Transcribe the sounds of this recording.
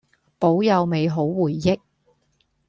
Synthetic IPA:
po˨˥wjɐ˨˧wme˨˧jɦo˨˥wwuː˨˩jːɪ˥k̚

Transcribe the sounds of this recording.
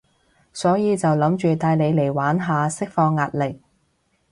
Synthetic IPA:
sɔː˨˥jiː˨˧t͡sɐ˨wlɐ˨˥mt͡ʃyː˨t̪aː˧jle˨˧jle˨˩jwaː˨˥nɦaː˨˧sɪ˥k̚fɔː˧ŋːaː˨t̚lɪ˨k̚

